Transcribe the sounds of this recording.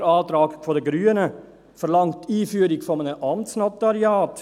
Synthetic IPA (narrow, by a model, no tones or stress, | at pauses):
ɾɑːd̪ɾɑːɡfɔd̪əɡɾyːənə | fɔɾlɑŋt̪iːfyːɾɪɡ̥fɔmənəʔɑmt̪snɑt̪ɑɾɪɑːt̪